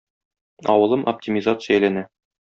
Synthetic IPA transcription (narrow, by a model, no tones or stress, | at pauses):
ɒwɤ̆lˠɤmʔɐ̰p̚tʲimʲɪzat̪sɨjæjlænæ